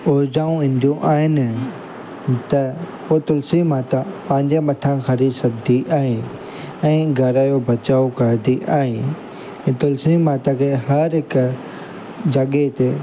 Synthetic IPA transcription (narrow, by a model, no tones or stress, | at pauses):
ʊɾd͡ʑaːũʋĩːn̆d̪ijoʔaːɦɪnɪ | t̪ɐpoːt̪ʊlsimaːt̪apɐ̃ɦɪ̃ɲd͡ʑemɐt̪ʰãxɐɾisɐd̪ʱiʔaːɦe | ɛ̃ːɡʱɐɾaːjobɐt͡ɕaːokɐɾd̪iʔaːɦe | ɛ̃ːt̪ʊlsimaːt̪akʰeɦɐɾɦɪk | d͡ʑɐɠet̪e